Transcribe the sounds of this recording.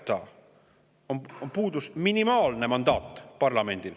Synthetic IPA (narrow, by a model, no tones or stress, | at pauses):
t̪ːɑ | ononpuːd̪usminimɑːlne̞mɑnd̪̥ɑːt̪ːˑpɑrlɑme̞nd̪̥il